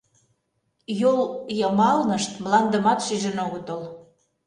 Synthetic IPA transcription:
joljəmɑlnə̆ʃt̪məlɑnd̪ə̆mɑt̪ʃiʒə̆noɣət̪ol

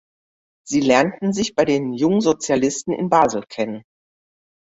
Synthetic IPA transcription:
z̥iːlɛɐntn̩zɪçb̥aɪdeːnjʊŋənzot͡sjalɪstn̩ɪ̰nbaːzl̩kʰɛnən

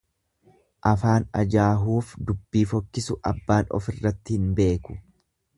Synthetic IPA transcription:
ʔɐfaːnɐd͡ʒaːɦuːfd̪ʊbːiːfɔkːɪsʊʔɐbːaːnɔ̰fɪrːɐt̪ːɪhɪnbe̞ːkʊ̥

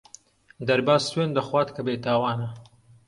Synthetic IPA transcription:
d̪aɾbɑːswend̪əxwɑːt̪kabet̪ɑːwɑːna

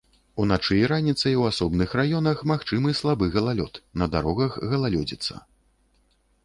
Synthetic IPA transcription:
unat͡ʂɨjɾanʲit̪sɐjwasɔbnɨxrajɔnɐxmaxt͡ʂɨmɨslˠabɨɣɐlˠalʲɔt̪nɐd̪aɾɔɣɐɣɣɐlˠalʲɔd͡zʲit̪sːɐ̰

